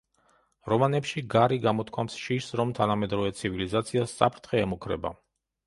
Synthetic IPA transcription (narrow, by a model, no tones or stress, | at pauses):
ɾɔmanɛpʃiɡaɾiɡamɔt̪ʰkʰwamsʃiʃsɾɔmt̪ʰanamɛd̪ɾɔvɛt̪sʰivilizat̪sʰiasːa̰pʰɾt̪ʰχɛːmukʰɾɛ̰ba̰